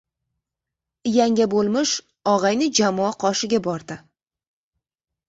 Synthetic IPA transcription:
ɪjaŋɡʲabolˠmɪʃ | ɒʁɑjnɪd͡ʒamɒaqʰɒʃɪɡʲabɒɾd̪ɪ

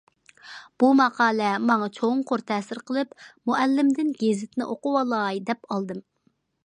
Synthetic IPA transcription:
b̥umɑqʰɑːlˠɛmɑŋɑt͡ʃʰoŋqʰoɾt̪ʰɛːsɪɾqəlˠɨpmuʔɛlːɪmd̪ɪnɡʲezɪt̪ɪnɪʔoqʊwɑlˠɑjd̪ɛpɑlˠd̪ɨm

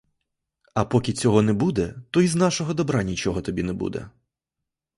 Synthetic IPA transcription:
ɐpɔkʲit͡sʲɔɦɔnɛbud̪ɛt̪ɔiznɑʃɔɦɔd̪ɔbɾanʲit͡ʃɔɦɔt̪ɔbʲinɛbṵd̪ɛ̰

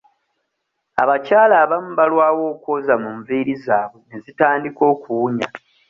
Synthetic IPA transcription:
a̰βacaːlaːβamuβalwaːwo̞ːkwo̞ːzamuɱviːɾizaːβwe̞nezitaːndiko̞ːkuwuɲa

